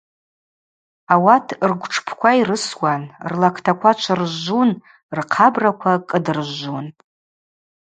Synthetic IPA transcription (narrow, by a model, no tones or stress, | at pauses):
awatʰrɡʷʈ͡ʂʰpʰkʷʰairɨswanrlakʰtʰakʷʰat͡ʃʷʰarʒun | rqʰabrakʷʰakʼɨdɨrʒun